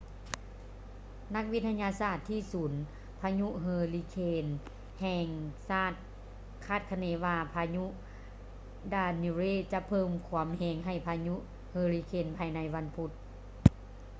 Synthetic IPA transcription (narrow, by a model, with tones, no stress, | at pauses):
na˧˥k̚ʋi˦˥t̪ʰːa˧ɲaː˧saː˧˩t̪ʰːiː˧˥˩suː˩˦n | pʰaː˧ɲu˧˥ʔɦɤː˧li˧kʰeː˧n | hɛː˧ŋsaː˥˩t̪̚ | kʰaː˥˩t̪̚kʰa˧neː˨˧˦ʋaː˧pʰaː˧ɲu˧˥ʔ | daː˧ni˧ɾeː˧˥˩t͡ɕa˧ʔpʰɤː˧˥˨mkʰu˧˦əmheː˧˩ŋɦa˧˩jpʰaː˧ɲu˧˥ʔ | hɤː˧liː˧kʰeː˧˩npʰaː˧jna˧˥jʋa˧˥npʰu˧˦t̪̚